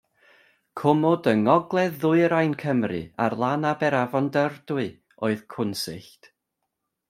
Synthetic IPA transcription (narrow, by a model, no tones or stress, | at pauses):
kʰʊmɔdəŋɔɡlˠɛðʊɨɾajnkʰəmrɨ̰a̰rlˠanabɛɾavɔndərdʊɨ | oɨðkʰʊnsɪ̰ɬt